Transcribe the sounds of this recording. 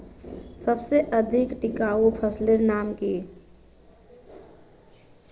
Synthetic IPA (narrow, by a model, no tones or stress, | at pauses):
səbseʔəd̪ʱɪkʈɪkaːopʰəsleɾnaːmkiː